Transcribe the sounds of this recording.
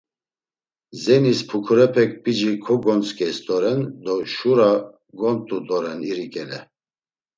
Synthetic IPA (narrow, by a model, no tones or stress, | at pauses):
zɛnispʰukʰuɾɛpʰɛk̚ʰpʼid͡ʒikʰɔɡɔnt͡sʼkʼɛst̪ʼɔɾɛnd̪ɔʃuɾa | ɡɔnt̪ʼut̪ʼɔɾɛniɾikʼɛlɛ